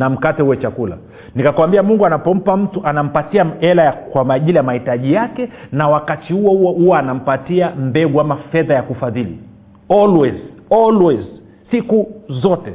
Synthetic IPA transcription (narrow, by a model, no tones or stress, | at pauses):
nam̩katɛuwɛt͡ʃakula̰ | nikakwambiamuŋɡuanapɔm̩pam̩tuʔanam̩patiaɛlajakwamaʄilijamahitaʄijakɛnawakatihuɔhuɔanam̩patiam̩bɛɠuamafɛðajakufaðilḭ | ɔlwɛzɔlwɛz | sikuzɔtɛ